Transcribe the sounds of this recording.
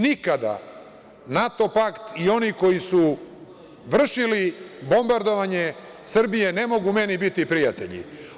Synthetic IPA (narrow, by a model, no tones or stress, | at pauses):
nikad̪a̰ | nat̪o̞pakt̪io̞niko̞jisu | ʋr̩ʃilibo̞mbaɾd̪o̞ʋaɲe̞ | sr̩bije̞ne̞mo̞ɡume̞nibit̪ipɾijat̪ḛʎḭ